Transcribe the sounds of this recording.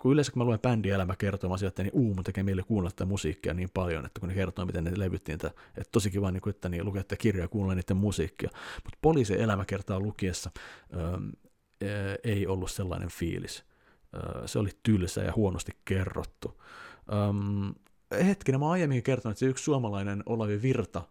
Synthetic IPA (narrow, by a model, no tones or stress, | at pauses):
kuyleˑːsækumæluempændielæmækert̪omɑːnsielt̪ːæniʔuːmut̪ekeːmeilːekuːnlɑt̪ːt̪æmusḭːkːiɑniːmpɑljo̰nḛt̪ːækunekert̪oːmit̪enneleʋyt̪ːiniːt̪æet̪t̪osikiʋɑːniːŋkuet̪ːænilukeet̪ːkirjɑjɑkuːnlːeniːt̪ːemmusḭːkːiɑ̰mut̪poliːsiʔelæmækert̪ɑːlukiesːɑəːm | eiolːusselːɑ̰inḛɱfḭːlḭs | ə̰ːseo̰lit̪ylsæ̰ːjɑ̰huonost̪ikkerːo̰t̪ːuʔəm | het̪kinæmoɑijemːiŋkikert̪onuet̪seykssuɑmɑlɑinenolɑʋiʋirt̪ɑ